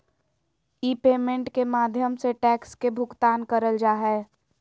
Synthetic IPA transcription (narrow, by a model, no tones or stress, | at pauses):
iːpeːmẽɳʈkemaːd̪ʱjəmseʈɛːkskebʱʊɡt̪aːnkəɾəld͡ʒaːɦɛː